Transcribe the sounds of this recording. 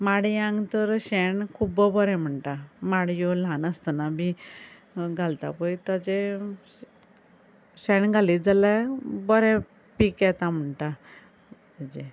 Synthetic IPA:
maɽiãŋɡt̪əɾɕɛɳkʰubəbəɾɛ̃m̤əɳʈamaɽjolãnəst̪ənabi | ɡʱalt̪a̰pəjt̪əd͡ʑe | ɕɛɳɡʱalid͡zalabəɾɛ̃ | piːkjɛt̪am̤əɳʈa | d͡ʑẽ

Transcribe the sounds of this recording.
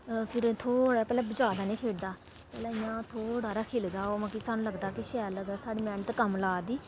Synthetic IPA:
pʰɪɾt̪ʰoːɽaːpɛːlɛːbəd͡ʒaːd̪aːnẽːkʰeːɽd̪aː | pɛːlɛːɪjãːt̪ʰoːɽaːɾaːkʰeːld̪aːoːmə̃kisaːnũːləɡd̪aːkɪʃɛːləɡaːsaːɽiːmɛ̃ːɳt̪ːkəmlaːd̪iː

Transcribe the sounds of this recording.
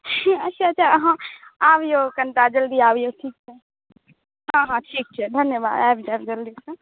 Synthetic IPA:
ɐtːʃʰaɐtːt͡ʃʰaɦãaːbjokɐɳʈaːd͡ʒɐld̪iaːʋjoʈʰiːk̚t͡ʃʰɛ | ɦãːɦãʈʰiːk̚t͡ʃʰɛd̪ʱɐnjəba̰ːd̪ɛːbd͡ʒɛbd͡ʒɐld̪iːsɐ

